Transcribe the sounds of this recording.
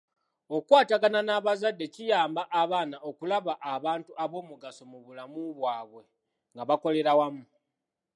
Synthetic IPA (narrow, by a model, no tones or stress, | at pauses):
o̞kwaːtaɡananaβazadːe̞cijaːmbaʔaβaːnaʔo̞kulaβaʔːβaːntuʔaβo̞ːmuɡaso̞muβulamuβwaːβwe̞ | ŋɡaβako̞le̞ɾawamu